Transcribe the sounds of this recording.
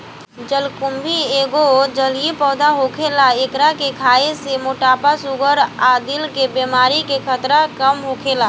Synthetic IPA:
d͡ʒəlkʊmbʱieːɡod͡ʒəliepɔːd̪aɦokʰeːlaekɾakekʰaːesemoʈaːpasʊɡəɾaːd̪ɪlkebemaːɾikekʰət̪ɾakəmɦoːkʰeːla

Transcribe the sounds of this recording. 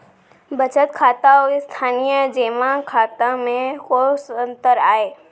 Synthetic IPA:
bət͡ʃət̪kʰaːt̪aoist̪ʰaːnijəd͡ʒeːmãkʰaːt̪ãmẽkosənt̪əɾaːeː

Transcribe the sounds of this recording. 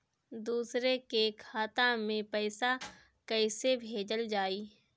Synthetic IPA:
d̪uːsɾekekʰaːt̪amẽpɛːɪsa | kəɪsebʱeːd͡ʒəld͡ʒaːiː

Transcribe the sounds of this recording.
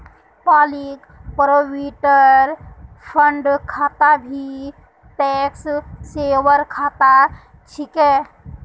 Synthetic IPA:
paːlik | pɾowiʈəɾ | pʰəɳɖkʰaːt̪abʱi | ʈɛkssewəɾkʰat̪a | t͡ʃʰikɛ

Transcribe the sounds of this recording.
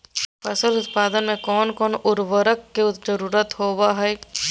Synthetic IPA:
pɐsəlʊt̪paːd̪ənmẽkɔːnkɔːnʊɾʋəɾəkːeʊt̪d͡ʒəɾuːɾət̪ɦoːwaɦɛː

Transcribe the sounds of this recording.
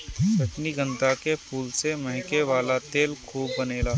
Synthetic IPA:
sɐʈniɡə̃nt̪akepʰuːlsemɐ̃ɦɪ̃keʋaːlat̪eːlkʰuːbːɐneːlaː

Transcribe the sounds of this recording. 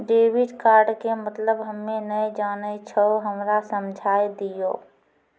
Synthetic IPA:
ɖeːwɪɖkaːɾɖkemət̪ləbɦəmːẽnəed͡ʒaːnet͡ʃʰoɦəmɾasəmd͡ʒʱaːjd̪ijo̰ː

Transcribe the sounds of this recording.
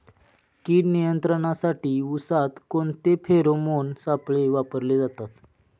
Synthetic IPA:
kiːɾnijənt̪ɾəɳ̃asaʈiːusat̪koɳt̪epʰeɾomonsapɭeʋapəɾled͡zat̪at̪

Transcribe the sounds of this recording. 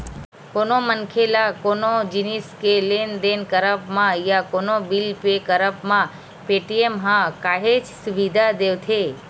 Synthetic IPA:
konomənkʰelakonod͡ʒiniskelend̪enkəɾəpmãjakonobilpekəɾəpmã | peʈiemɦãkaɦet͡ʃsuʋid̪ʱad̪eʋt̪ʰe

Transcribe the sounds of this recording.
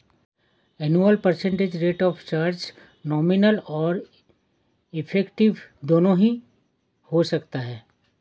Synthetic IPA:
ɛnuːəlpəɾsɛ̃ɳʈed͡ʒɾeːʈɔːft͡ʃaːɾd͡ʒ | nɔːmɪnəlɔːɾ | ɪpʰɛːkʈɪʋd̪oːnõɦĩ | hosɐkt̪aɦɛː

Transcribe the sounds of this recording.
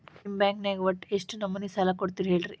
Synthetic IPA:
imbãŋkneɡʋɐʈːeʂʈnɐmːɐnːisalakoɽt̪iɾɦeːɭɾi

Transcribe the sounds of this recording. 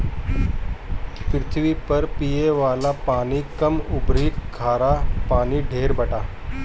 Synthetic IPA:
pɾɪt̪ʰʋipəɾpijeʋaːlapaːɽ̃iːkəmubʱɾiːkkʰːaːɾapaːɽ̃iːɖʱeːɾbəʈa

